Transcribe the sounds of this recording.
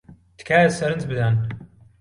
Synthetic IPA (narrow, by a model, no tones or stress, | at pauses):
t̪ɨ̥kʰaːsɐɾɨnt͡sbɨd̪aːn